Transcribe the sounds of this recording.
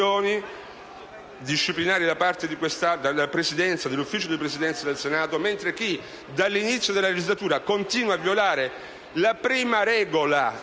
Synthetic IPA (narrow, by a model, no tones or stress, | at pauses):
oːni | d̪iʃːiplinaːɾid̪apart̪ed̪ikwest̪ad̪alːapɾesid̪ɛnt̪sad̪elːufːiːt͡ʃod̪ipɾesid̪ɛnt̪sad̪elsenaːt̪oment̪ɾek̟i | d̪alːinit̪sjod̪elːaled͡ʒizlat̪uːɾakont̪iːnwaːvːjolaːɾe | lapɾiːmaɾɛːɡola